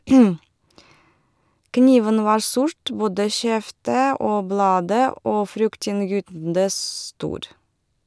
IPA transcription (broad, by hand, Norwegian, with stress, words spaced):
ˈkniːʋən ˈʋɑːɾ ˈsʊɾt ˈboːdə ˈʃɛftə ˈoː ˈblɑːdə ˈoː ˈfɾʏktɪnŋˌjyːtndə ˈstuːɾ